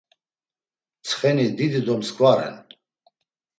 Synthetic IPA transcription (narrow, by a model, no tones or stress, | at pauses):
t͡sʰχɛnid̪id̪id̪ɔmskʼvaɾɛ̰n